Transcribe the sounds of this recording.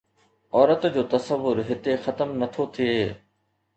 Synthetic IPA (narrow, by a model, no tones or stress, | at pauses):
ɔːɾət̪d͡ʑoːt̪ɐsəʋːʊɾɦɪt̪exɐt̪əmnɐt̪ʰot̪ʰieː